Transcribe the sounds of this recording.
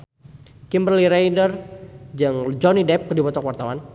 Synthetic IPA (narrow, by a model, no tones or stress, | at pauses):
kimbərliɾejdərd͡ʒaŋd͡ʒɔnidɛp̚kdibɔt̪ɔkwart̪awan